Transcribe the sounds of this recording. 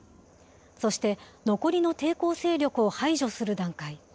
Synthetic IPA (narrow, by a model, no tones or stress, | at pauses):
so̞ɕi̥t̪e̞noko̞ɾʲino̞t̪e̞ːko̞ːse̞ːɾʲo̞kɯ̟o̞haiʑo̞sɨɾɯ̟d̪ãŋkai